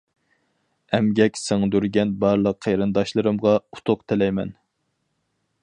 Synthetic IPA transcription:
ɛmɡʲɛkʲsɪŋɨd̪yɾɡʲɛnbɑɾlˠəqʰːejɾɨnd̪ɑʃlˠɨɾɨmʁɑut̪ʰʊqt̪ʰɪlɛjmɛ̰n

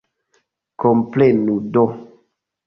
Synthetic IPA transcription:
kɔmplenudɔ

